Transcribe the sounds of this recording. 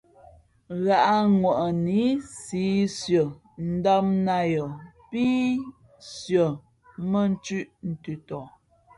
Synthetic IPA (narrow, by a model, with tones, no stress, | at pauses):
ɣa˨ʔa˦ŋwɔ˨ʔni˨˦siː˨˦sjɔ˨ | n̩˦dɔ˦mna˦jɔ˨ | pi˦ | sjə˨ | mə˦n̩˦t͡ʃʉ˦ʔn̩˨tʉ˨tɔ˨